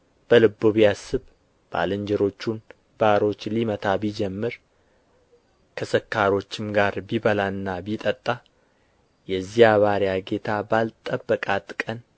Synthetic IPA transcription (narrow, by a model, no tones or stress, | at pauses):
b̥əlɨbːoβijasɨβ | b̥a̰lɨɲd͡ʒɛɾo̞t͡ʃːun | baɾo̞t͡ʃːlimət̪ʰabid͡ʒɛmːɨɾ | kʰəsəkːaɾo̞t͡ʃːɪmɡaɾbiβəlaɨnːabit̪ʼət̪ʼːa | jɛzːijaβaɾjaɡe̞t̪ʰabalt̪ʼəbːəkʼat̪ʼkʼən